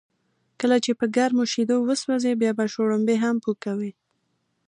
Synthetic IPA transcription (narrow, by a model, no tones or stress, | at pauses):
kəlat͡ʃepəɡaɾmoʃid̪owəswazebjɑbaʃoɽəmbeɦampukawi